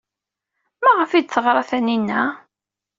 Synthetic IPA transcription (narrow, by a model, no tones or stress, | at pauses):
mæʁəfid̪̚θəʁɾˤɑθæninːæ